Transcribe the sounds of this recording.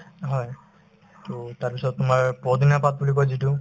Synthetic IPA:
ɦɔj | tʊtaɹpisɔtːʊmaɹpɔd̪inapat̚bulikɔjzitu

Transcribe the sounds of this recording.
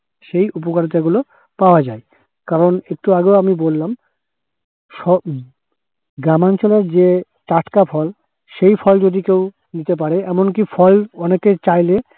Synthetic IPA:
ʃejupokaɾt̪aɡulo | paoad͡ʑae | kaɾonek̚ʈuaɡewamibolːam | ʃɔ | ɡɾamant͡ɕoleɾd͡ʑe | ʈaʈkapʰɔl | ʃejfʰɔld͡ʑod̪ikew | nit̪ep̬aɾeɛmonkifʰɔlɔneket͡ɕajle

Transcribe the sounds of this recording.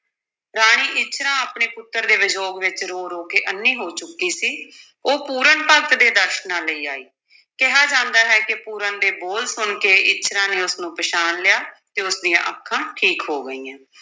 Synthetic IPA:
ɾaːɽ̃iːʔɪt͡ʃʰɾãːaːpɳeːpʊt̪ːəɾd̪eːʋɪd͡ʒoːɡʋɪt͡ʃɾoːɾoːkeːʔənːiːɦoːt͡ʃʊkːiːsiː | oːpuːɾəɳpəɡt̪d̪eːd̪əʃnãːləiːaːiː | kɪɦaːd͡ʒãːnd̪aːɦɛːkɪpuːɾənd̪eːboːlsʊɳkeːʔɪtːʃʰɾãːneːʊsnũːpəʃaːnlɪjaːt̪eːʊsd̪ijã̰ːʔəkʰːãːʈʰiːkɦoːɡəiːãː

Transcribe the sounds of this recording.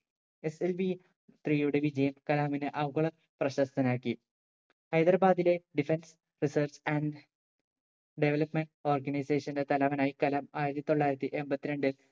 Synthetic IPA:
e̞selʋi | t̪riːjuɽe̞ʋid͡ʑɐjɐmkɐlaːminɨʔɐʋɡɐɭɐ | prɐɕɐst̪ɐnaːkːi | ɐjd̪ɐrɐbaːðile̞ɖifens | risɐrt͡ɕɐɳɖ | ɖeʋelɐpmeɳʈo̞ːrɡɐnɐjse̞ːʂɐndet̪ɐlɐʋɐnaːjikɐlamaːjiɾɐt̪ːi̥t̪o̞ɭːaːjiɾɐt̪ːiʔe̞mbɐt̪ːiɾeɳɖɨ

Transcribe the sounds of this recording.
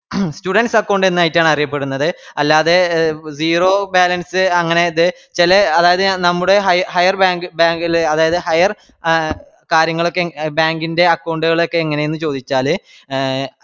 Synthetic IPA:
stuɽɐnɖsɐkːɐwɳɖenːaːjitːaːɳɐrijɐp̬ːe̞ɽunːɐðɨɐlːaːðed͡ʑiːro̞ːbaːlɐnsɨɐŋːɐne̞ɐðɨ | t͡ɕilɐɐðaːjɐðɨnɐmːuɽe̞ɦɐjhɐjɐrbaːŋɡɨbaːŋɡilɐðaːjɐðɨhɐjɐr | kaːɾjɐŋːɐɭo̞kːebaːŋɡinde̞ɐkːɐwɳɖuɣɐɭo̞kːe̞ːŋːɐne̞jonːɨt͡ɕo̞ːd̪it͡ɕːaːlɨ

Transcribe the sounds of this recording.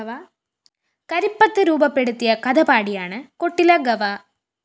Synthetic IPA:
ɐʋaː | kɐɾipːɐt̪ːɨɾuːbɐpːeɽɯt̪ːijɐkɐðɐpaːɽijaːɳɨkoʈːilɐɡɐʋaː

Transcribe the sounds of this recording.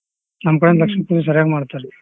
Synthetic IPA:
nɐmɐkɐɽɐnlɐkʂɐmpuːðɐs̬ɐɾjaːɣɐmaːɽt̪ːaɾ

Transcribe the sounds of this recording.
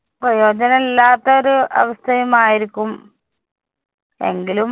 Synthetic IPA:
prɐjo̞ːd͡ʑɐnɐmilːaːt̪ːɐoɾuɐ̰ʋɐst̪ʰɐjɐmaːjiɾikʲːum | e̞̰ŋɡilu

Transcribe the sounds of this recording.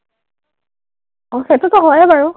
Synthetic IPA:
ɔxetutɔɦɔjɛbaɹu

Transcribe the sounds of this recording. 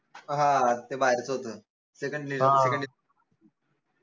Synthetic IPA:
ɦãt̪ebaɦeɾt͡səɦot̪əː | sekəɳɖnisekəɳɖi

